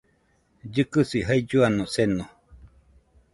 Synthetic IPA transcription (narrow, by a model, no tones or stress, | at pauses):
d͡ʒɨkɨsiɦaid͡ʒuanõsenõ